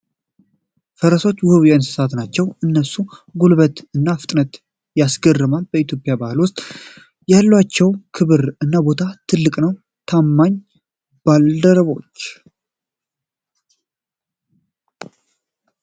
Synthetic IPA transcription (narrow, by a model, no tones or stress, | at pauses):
fəɾəso̞t͡ʃːwʊhɨβjansɨ̥sat̪nat͡ʃːɛwɨnːəsuɡulβət̪ɨnːafɨt̪ʼnət̪ | jasɡərɨmalbəit̪jo̞pʼjabahɨlwʊst̪ʼ | jalːwat͡ʃːɛwkʰɨβɨɾɨnːabo̞t̪ʰat̪ʰɨlːɨkʼnəw | t̪ʰamːaɲ | b̥ald̪əɾəβoot͡ʃː